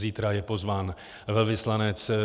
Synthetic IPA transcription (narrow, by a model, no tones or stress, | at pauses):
ziːt̪ɾajɛpo̞zvaːn | vɛlvɪslanɛt͡s